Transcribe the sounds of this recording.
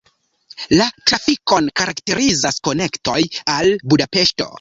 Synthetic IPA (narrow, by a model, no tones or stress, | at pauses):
latɾafiko̞nkaɾakte̞ɾizasko̞ne̞kto̞jalbudape̞ʃto̞̰